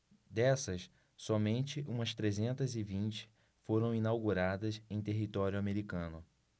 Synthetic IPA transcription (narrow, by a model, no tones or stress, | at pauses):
d̪ɛsɐs | sɔmẽnt͡ʃɪʔũmɐst̪ɾezẽnt̪ɐzɪvĩnt͡ʃɪ̥ | foɾɐ̃w̃inawɡuɾad̪ɐsẽj̃t̪eɦit̪ɔɾjʊameɾikɐ̃nʊ